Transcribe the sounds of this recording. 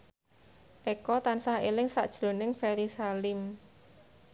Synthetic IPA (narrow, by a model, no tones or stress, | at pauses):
ʔekɔt̪ansahelɪŋsa̰ʔd̥ʒ̥lo̤nɪŋfɛɾisalɪm